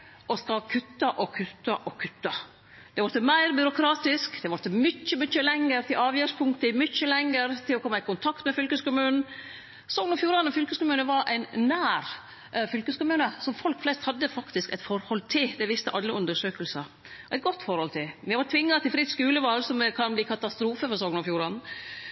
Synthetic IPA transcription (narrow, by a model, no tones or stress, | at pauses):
ɔskɑkʰʉt̪ːɑʔɔkʰʉt̪ːɑʔɔkʰʉt̪ːɑ | d̪ɛʋʊɾt̪ːəmæɪɾbʏɾʊkʰɾɑːt̪ɪskd̪̥ɛʋʊɾt̪ːəmʏt͡ʃːəmʏt͡ʃːəlɛŋəɾt̪ʰɪlɑːʋjœʂpʰʊŋt̪əmʏt͡ʃːəlɛŋəɾt̪ʰɪlɔkʰɔmːɑɪkʊnt̪ʰɑkt̪mɛfʏlkəskʊmʉːnn̩ | sɔɡnɔfjuːɾɑnəfʏlkəskʊmʉːnəʋɑɾʔæ̰ɪnnæːɾ | fʏlkəskʊmʉːnəsɔmfɔlkflɛst̪hɑd̪ːəfɑkt̪ɪskæɪt̪fɔɾhɔlt̪ʰɪld̪ɛʋɪst̪ə̰ʔɑlːəʉnd̪əʂøːkəlsəɾ | ʔæɪɡɔt̪ːfɔɾhɔlt̪ʰɪlʋɪʋɑɾt̪ʰʋɪŋːɑt̪ɪlfɾɪt̪skʉːləʋɑlsɔmkʰɑnbliːkʰɑt̪ɑst̪ɾuːfəfɔɾsɔɡnɔfjuːɾɑnn̩